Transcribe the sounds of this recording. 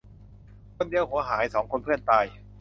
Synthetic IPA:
pʰɯ˥˩˨ndi˧əwhu˨˩˦ɐɦaː˩˦˥jsɔː˩˦ŋkʰo˧npʰɯ˥˩ənt̪aː˧j

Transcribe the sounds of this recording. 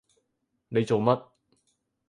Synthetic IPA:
ne˨˧jt͡so˨wmɐ˦˥t̚

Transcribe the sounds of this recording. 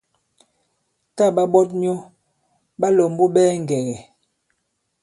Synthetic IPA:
ta˦˨ɓa˦bɔ˦t̚n˦ɔ˦ | ɓa˦lo˨m˦bo˦ɓɛː˦ŋ˨ɡɛ˨ɣɛ˨

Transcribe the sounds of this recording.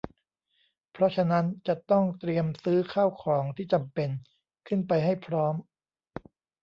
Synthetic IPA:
pʰɾɔ˦˥t͡ɕʰa˧na˦˥nt͡ɕa˨˩ʔt̪ɔ˥˩ŋt̪ɾi˧əmsɯː˦˥kʰaː˥˩wkʰɔː˩˦ŋt̪ʰiː˥˩t͡ɕa˧mpe˧n | kʰɯ˥˩npa˧jɦa˥˩jpʰɾɔː˦˥m

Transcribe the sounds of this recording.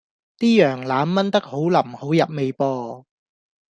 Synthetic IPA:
t̪iː˥jœː˨˩ŋlaː˨˥mːɐ˥nt̪ɐ˥k̚ho˨˥wlɐ˨˩mho˨˥wjɐ˨p̚me˨˧jpɔː˧

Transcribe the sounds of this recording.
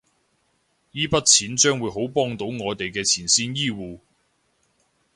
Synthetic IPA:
jiː˥pɐ˥t̚t͡sʰiː˨˥nt͡ʃœː˥ŋwu˨˧˥jɦo˨˥wpɔː˥ŋt̪o˨˥wŋɔː˨˧jt̪e˨jkɛː˧t͡sʰiː˨˩nsiː˥njiː˥wuː˨˧

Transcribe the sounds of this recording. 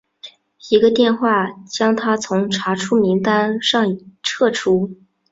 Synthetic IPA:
i˧˥ɡə˧t̪jɛ˥˧nxwa˥˩t͡ɕjɑ˥ŋt̪ʰa˥t͡sʰʊ˧˥ŋʈ͡ʂʰa˧˥ʈ͡ʂʰu˥mi˧˥ŋt̪a˥nʂɑ˥˩ŋ˨ʈ͡ʂʰɤ˥˩ʈ͡ʂʰu˥

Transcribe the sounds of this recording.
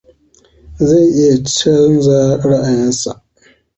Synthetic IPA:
za˦˨ʔɪ˦ja˨t͡ʃɛ˦n˦za˦ɽa˦ʔa˨jɪ˦nsa˨ʔ

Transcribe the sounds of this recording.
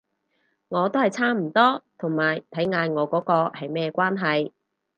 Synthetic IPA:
ŋɔː˨˧t̪o˥whɐ˨jt͡sʰaː˥m̩˨˩t̪ɔː˥t̪ʰʊ˨˩ŋmaː˨˩jt̪ʰɐ˨˥jŋaː˧jŋɔː˨˧kɔː˨˥kɔː˧hɐ˨jmɛː˥kʷaː˥nɦɐ˨j

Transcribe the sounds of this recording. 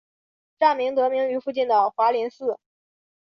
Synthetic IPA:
ʈ͡ʂa˥˩nmi˧˥ŋt̪ɤ˧˥mi˧˥ŋy˧˥fu˥˧t͡ɕi˥˩nd̪ə˩xwa˧˥li˧˥nsɹ̩˥˩

